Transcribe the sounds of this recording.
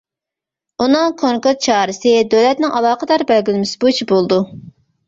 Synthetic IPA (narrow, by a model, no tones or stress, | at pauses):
unɨŋkʰoŋkʊɾt̪̚t͡ʃʰɑːɾɨsɪd̪ølɛt̪nɪŋʔɑlˠɑːqʰəd̪ɑɾbɛlɡʲilmɪsɪ̥but͡ʃʰibolˠd̪u